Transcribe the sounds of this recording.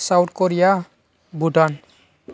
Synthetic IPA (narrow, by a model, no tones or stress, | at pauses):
sawʈkoɾija | bʱuʈan